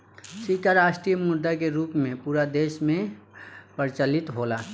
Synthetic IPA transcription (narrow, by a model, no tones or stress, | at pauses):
sikaɾaːsʈɾijəmʊd̪ːakeɾuːpmẽpuːɾad̪eːʃmẽ | pəɾt͡ʃəlɪt̪ɦola